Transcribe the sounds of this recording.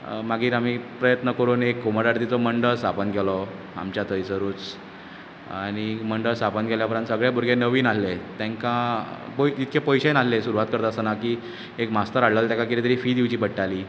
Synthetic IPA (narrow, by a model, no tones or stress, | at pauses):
maɡʱiːɾam̤iːpɾəjət̪nəkəɾuːnekːoməɾaɾt̪it͡sɔməɳɖəɭst̪ʰapənɡʱɛlɔ | a̰mt͡ɕjat̪əjsəɾuːt͡s | añiməɳɖəst̪ʰapənɡʱɛljapəɾãnt̪səɡɭjabʱuɾɡenəʋiːnalːet̪ãŋkãpot̪it̪kʰepəjɕenalːesuɾuʋat̪̚kəɾt̪əsənakiː | ekmast̪əɾaɽlalt̪jãŋkakiɾet̪əɾiːfiːd̪iʋt͡ɕiːbəʈːaliː